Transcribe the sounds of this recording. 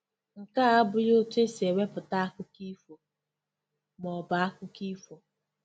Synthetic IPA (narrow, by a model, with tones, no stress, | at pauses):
ŋ̩˨ka˦a˦bʊ˦jo˦te˦se˨we˦pʊ˨ta˦a˦kʷʊ˦ki˦fo˨ | mɔ˨ba˨a˦kʷʊ˦ki˦fo˨